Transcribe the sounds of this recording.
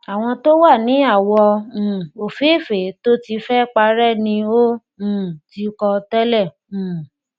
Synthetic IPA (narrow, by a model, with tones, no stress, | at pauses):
a˨w̃ɔ̃˧to˦wa˦˨nĩ˨˦a˦˨wɔ̃˧˨ | o˨fe˨˦˨fe˨˦to˦ti˧fɛ˦k͡pa˧ɾɛ˦nĩ˧õ˦˨ | ti˨˦kɔ˧tɛ˦lɛ˦˨ | ũ˨